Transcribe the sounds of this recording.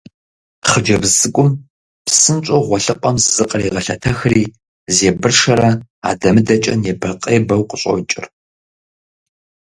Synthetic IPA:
χəd͡ʒɐbzɨkʷʼʊm | psɨnt͡ʃʷʼoʁʷɔɬɨqʷʼɐmzzɨqʼəriːʁɐɬɐ̰tʰɐxriː | zeːbɨrʂɐɾɐa̰ːdɐmɨdɐt͡ʃʼɐ̰njɛbɐrqʼeːbɐwqəɕʼɐ̰t͡ʃʼɪ̰r

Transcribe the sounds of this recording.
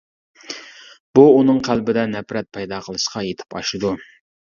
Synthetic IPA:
b̥uːnɨŋqʰælbɪd̪ɛnɛpɾɛt̪̚pʰɛjd̪ɑqʰəlˠɨʃqʰɑjet̪ʰɪ̥pɑʃɨd̪u

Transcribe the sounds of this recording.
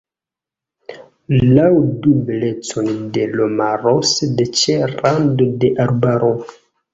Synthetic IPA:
lawdubelet͡sondelomaɾosedet͡ʃeɾandodeʔaɾbaɾo

